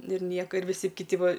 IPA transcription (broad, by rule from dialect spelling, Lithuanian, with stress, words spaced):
ˈnʊ ɪr ˈnʲiɛkoː ɪr ʋʲɪˈsʲɪ kʲɪˈtʲɪ ˈʋɐ